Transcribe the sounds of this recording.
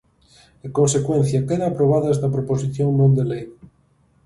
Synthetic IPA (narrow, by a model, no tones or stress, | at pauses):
ekonsekwẽn̟θjakeðaːpɾoβ̞aðezðɐpɾoposiθjoŋmõnd̪elej